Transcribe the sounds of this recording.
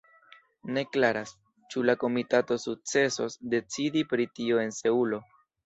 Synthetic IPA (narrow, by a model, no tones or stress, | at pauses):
ne̞klaɾas | t͡ʃulako̞mitato̞suk̚t͡se̞so̞sde̞t͡sidipɾitio̞e̞nse̞ulo̞